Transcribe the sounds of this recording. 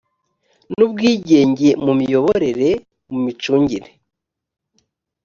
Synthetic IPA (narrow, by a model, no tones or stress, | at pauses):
nubɡiːɟe̞ːɲɟe̞mumijo̞βo̞ɾe̞ɾe̞ | mumit͡ʃuːɲɟiɾe